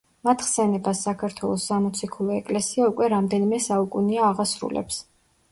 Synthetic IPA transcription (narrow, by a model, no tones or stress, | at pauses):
mat̪ʰχsɛnɛbasːakʰaɾt̪ʰwɛlˠɔsːamɔt̪sʰikʰulˠɔɛkʼlɛsiaukʼwɛɾamd̪ɛnimɛsaukʼuniaːʁasɾṵlɛ̰ps